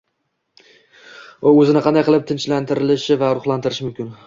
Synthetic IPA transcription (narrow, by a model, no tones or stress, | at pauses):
oɵzɪnɪqɑnd̪ajqʰɨlˠɪp̚t̪ʰɪnt͡ʃlant̪ʰɪɾɪlɪʃɪvaɾʊχlˠant̪ʰɪɾɪʃɪmʊmkʲɪn